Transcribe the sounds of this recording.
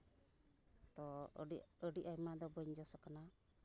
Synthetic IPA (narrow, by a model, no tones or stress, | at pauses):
t̪ɔ | əɖiʔajmad̪ɔbɔɲd͡ʒɔsɔkana